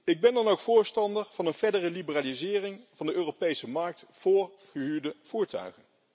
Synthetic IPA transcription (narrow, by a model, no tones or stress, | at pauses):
ɪɡ̚bɛndɑnowkfʊːɹstɑndəɹv̥ɑnənvɛɹdərəlibəraːlizɪːrɪŋvɑndəʔøːrowpejsəmɑɹk̚tfʊːɹχəɦyːɹdəv̥uːɹtœ̰ɥχən